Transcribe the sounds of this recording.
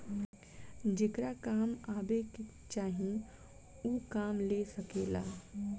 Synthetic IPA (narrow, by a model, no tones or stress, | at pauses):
d͡ʒeːkɾakaːmaːbeke | t͡ʃaːɦĩ | ukaːmlesəkeːlaː